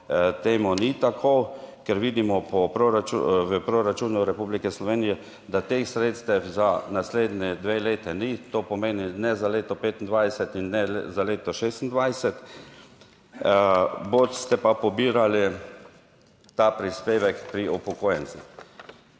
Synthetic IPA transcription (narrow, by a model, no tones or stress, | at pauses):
t̪eːmɔnit̪akʰokɛɾʋiːd̪imɔpɔpɾoɾat͡ʃṵʋəpɾoɾat͡ʃuːnuɾɛpublikɛslɔʋeːnijɛ | d̪at̪eːxsɾeːt̪st̪ɛfzanasleːd̪nɛd̪ʋeːleːt̪ɛnit̪oːpɔmeːninɛzaleːt̪ɔpeːt̪ind̪ʋajsɛt̪inːɛzaleːt̪ɔʃeːst̪nd̪ʋajsɛt̪ | bot̪st̪ɛpapɔbiːɾali | t̪aːpɾispeːʋɛkpɾiɔpɔkoːjɛnsix